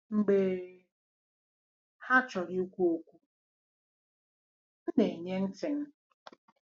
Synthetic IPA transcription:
ŋ͡m̩˨ɡ͡beː˨ | ha˦t͡ʃɔ˨ɾi˦u˦kʷu˦o˦kʷu˦ | n̩˦ne˨i˨ɲe˦n̩˦tɪ˨ŋ̩˦

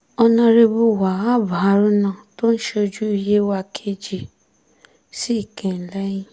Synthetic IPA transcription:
ɔ˧nã˧ɾe˧bu˧˨wa˨a˦˨ba˨a˦ɾũ˦nã˦˨to˦n̩˦ʃe˧d͡ʒu˦i˧je˦wa˧kʰe˧d͡ʒi˧ | si˦i˦˨kɛ̃˨n̩˨˦lɛ˦jĩ˦

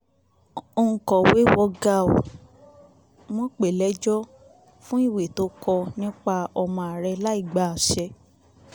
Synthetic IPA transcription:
o˧ŋ̩˧˨kɔ˨we˨˦wɔ˧ɡa˧˨o˨ | w̃ɔ̃˦k͡pe˨lɛ˨˦d͡ʒɔ˦ | fũ˦i˦˨we˨to˨˦kɔ˧nĩ˦k͡pa˧ɔ˧mɔ̃˧a˨ɾɛ˧la˦i˦˨ɡ͡ba˨a˨ʃɛ˧

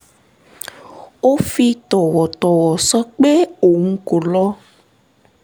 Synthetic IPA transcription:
wo˦fi˧t̪ɔ˨wɔ˨t̪ɔ˨wɔ˨sɔ˦k͡pe˦o˨ŋũ˦ko˨lɔ˦

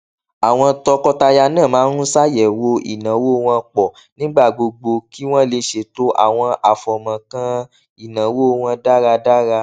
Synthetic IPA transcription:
a˨w̃ɔ̃˧tɔ˧kɔ˦ta˧ja˧nãː˦˨mãː˨˦ɾũ˦sa˦jɛ˨wo˧ḭ˨nã˨˦wo˦˧w̃ã˧k͡pɔ˨ | nĩ˦ɡ͡ba˦˨ɡ͡bo˧ɡ͡bo˧ki˦w̃ɔ̃˦le˧ʃe˧˨to˦ʔa̰˦˨w̃ɔ̃˧ʔa˨fɔ˨mã˨kã˧ | i˨nã˨wo˦˧w̃ã˧da˦ɾa˧da˦ɾa˧

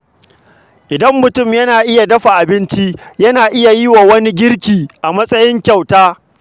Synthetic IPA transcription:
ʔɪ˨dɐ˦mːʊ˨tʊ˦˨mjɐ˦naː˨ʔɪ˦ja˨dɐ˦ɸa˨ʔa˨bɪ˦nt͡ʃi˦jɐ˦naː˨ʔɪ˦ja˨ji˦waː˨wɐ˦ni˦ɡʲɪ˦ɽkʲiː˨ʔa˨mɐ˦sʼɐ˦jɪ˦ŋkʲa˨wtaː˦

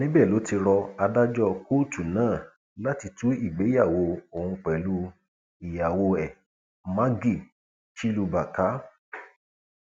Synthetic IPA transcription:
nĩ˦bɛ˦˨lo˨˦ti˧ɾɔ˧a˧da˦d͡ʒɔ˦˨ko˦tʰu˨nãː˦˨ | la˦ti˧tu˦i˦˨ɡ͡be˨˦ja˦˨wo˧o˨hũ˧k͡pɛ˨lu˦ | i˨ja˨wo˧ɛ˨ | mã˦ɡi˦˨ | ʃi˦lu˧ba˨ka˨˦

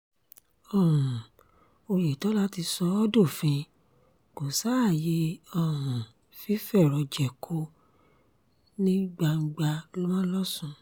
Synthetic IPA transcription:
ɔ˦˨hũ˨ | o˧je˨tɔ˨˦la˦ti˧sɔ˧ɔ˦do˦˨fĩ˧ | ɡ̥ũ˨sa˦˨je˧˦ɔ˦˨hũ˨ | fi˦fɛ˦˨ɾɔ˧d͡ʒɛ˨kʰo˧˦ | nĩ˦ɡ͡ba˧ŋ̩˧ɡ͡ba˧lɔ˦mã˦lɔ˦sũ˧

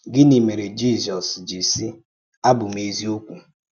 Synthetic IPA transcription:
ɡɪ˦ni˨me˨ɾe˨d͡ʒi˦˨zɔ˨sd͡ʒi˨si˦ | a˦bʊ˨m̩˨˦e˦zi˦o˦kʷu˨

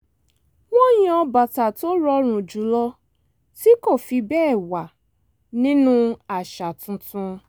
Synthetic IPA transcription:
w̃ɔ̃˦j̃ĩ˦ɔ˧ba˨ta˨to˦ɾɔ˧ɾ̃ũ˨d͡ʒu˨˦lɔ˧ | ti˦ko˦˨fi˧bɛː˦˨wa˨ | nĩ˦nũ˦a˨ʃa˨tũ˧tũ˧

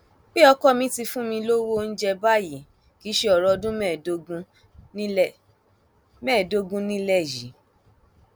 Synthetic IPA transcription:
k͡pi˦ɔ˧kɔ˦˨mĩ˧˦ti˧fũ˦mĩ˧lo˦wo˦n̩˦d͡ʒɛ˧ba˦ji˨ | ki˨˦ʃe˧ɔ˨ɾɔ˧dũ˦mɛ˦˨do˧ɡũ˧˦ | mɛ̃ː˦˨do˦ɡũ˦nĩ˦lɛ˦˨ji˨˦

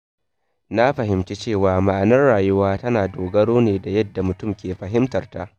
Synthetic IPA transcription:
na˦ɸɐ˨ɦɪ˨mt͡ʃe˦t͡ʃeː˦˨waː˨ma˨ʔa˨nɐ˦rɽaː˨jʊ˦waː˦tɐ˦naː˨doː˨ɡɐ˦ɽoː˦neː˨da˨jɐ˦dːa˨mʊ˨tʊ˦˨mkʲeː˨ɸɐ˨ɦɪ˦mtɐ˨rta˦ʔ

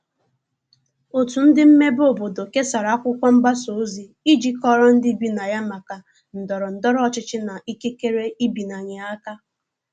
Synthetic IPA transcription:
o˨tu˨n̩˦dɪ˦m̩˦me˦bo˨bo˨do˨ke˦sa˨ɾa˨˦a˦kʷʊ˦kʷa˦m̩˦ba˦so˨˦zi˨ | i˦d͡ʒi˦kɔ˦ɾɔ˦n̩˦dɪ˦bi˦na˨ja˦ma˨ka˨ | n̩˨dɔ˨ɾɔ˨n̩˨dɔ˦ɾɔ˦˨t͡ʃɪ˦t͡ʃɪ˦na˨ʔi˦ke˦ke˦ɾe˦i˦bi˨na˨ɲɪ˨a˦ka˦

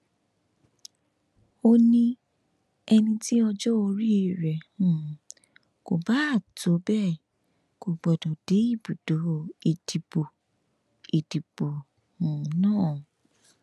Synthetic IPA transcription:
o˧nĩ˦ | ɛ˧nĩ˧ti˦ɔ˧d͡ʒɔ˦o˧ɾi˦˨ɾɛ˨ũ˨ | ko˨ba˨˦a˦˨to˨˦bɛ˦˨ | ko˨ɡ͡bɔ˨dɔ̃˨d̥e˨˦i˦˨bu˨do˨˦i˨di˨bo˨ | i˨di˨b̥o˨ | hũ˨nãː˦˨

